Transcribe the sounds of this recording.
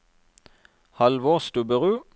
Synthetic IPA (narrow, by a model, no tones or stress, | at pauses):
hɑlʋoːʁst̪ʉbəʁʉː